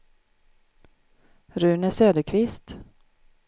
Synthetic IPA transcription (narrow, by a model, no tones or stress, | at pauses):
ɾʉ̟ːnæsøːd̪əkʰvɪst̪